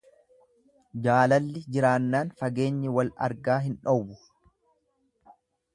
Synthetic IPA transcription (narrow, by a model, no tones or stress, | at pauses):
d͡ʒaːlɐlːɪd͡ʒɪɾaːnːaːnfɐɡeːɲːɪwɐlɐ̰ɾɡaːɦɪnᶑɔbʊ